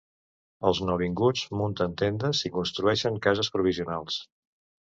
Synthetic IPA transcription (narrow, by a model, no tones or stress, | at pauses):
əlˠznoβiŋɡud͡zmunt̪ənt̪end̪əsikunst̪ɾuɛʃəŋkazəspɾuβ̞iziunalˠs